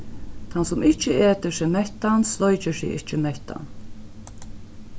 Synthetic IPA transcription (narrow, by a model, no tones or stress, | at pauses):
t̪ʰansʊmɪht͡ʃɪeːt̪ɪsɪmɛht̪anslɔjt͡ɕɪsḭːɪht͡ʃɪmɛht̪a̰n